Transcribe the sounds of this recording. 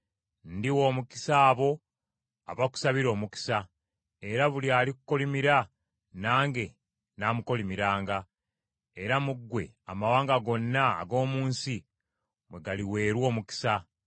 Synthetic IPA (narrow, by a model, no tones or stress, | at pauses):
ndiwoːmuki̥saːβo̞ | a̰βaku̥saβiɾo̞ːmuki̥sa | e̞ɾaβuliaːliku̥ko̞limiɾa | naːŋɡe̞ | naːmuko̞limiɾaːŋɡa | e̞ɾamuɡːwe̞̰amawaːŋɡaɡo̞nːa̰ːɡo̞ːmuːnsi | mwe̞ɡaliwe̞ːɾwo̞ːmuki̥sa